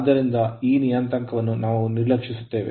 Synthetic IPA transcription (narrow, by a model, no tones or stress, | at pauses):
d̪ːɐɾind̪ɐiːnijaːnt̪ɐŋkɐʋɐnːunaːʋuniɾlɐkʂisu̥t̪ːe̞ːʋḛ